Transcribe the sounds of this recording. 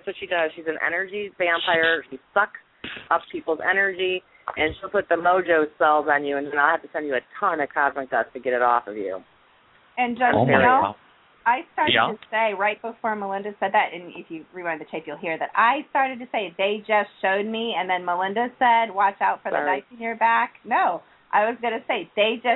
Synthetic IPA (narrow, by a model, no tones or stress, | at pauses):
ætswʌtʃidʌz̥ʃizɨ̃n̩ɛ̰nə˞d͡ʒibæ̃mpʰaɪə˞ʃisʌk | ʔʌppʰipl̩ˠzɛ̰nə˞d͡ʒi | ʔɨ̃nʃilˠpʊt̪̚ðɨmoʊd͡ʒoʊsɛlˠzn̩jʉɨ̃nðɨ̃naɪlˠhæftɨsɛ̃nd͡ʒjɨɨtʰʌ̃nɨkʰɑzmɨ̃k̚d̥ʌtʰɨɡɛɾɨɾɔ̰fʌvjʉ̰ | ɨ̃nd͡ʒʌso | aɪstɑɹɾɨdtʰɨseɪɹaɪt̚b̥əfɔɹməlɪ̃ndɨsɛd̪̚ðɨɾʔɨ̃nɪ̰fjɨɹiwʌ̃n̚ðɨt͡ʃʰeɪpjɨlˠɦiɹðɨɾaɪstɑɹɾɨd̚tɨseɪðeɪd͡ʒʌstʃoʊd̚miɨ̃nðɨ̃nməlɪ̃ndɨsɛd̚wɑt͡ʃaʊtfə˞ðɨbaɪsɨnɪɹbæknoʊ | ʔa̰ɪwʌzɡʌnɨseɪðeɪd͡ʒʌ